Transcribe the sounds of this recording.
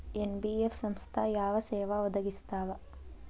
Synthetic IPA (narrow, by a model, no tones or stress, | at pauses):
enbiefsɐmst̪ʰaːjaːʋɐsɛːʋaʋɔd̪ɐɡist̪aːʋɐ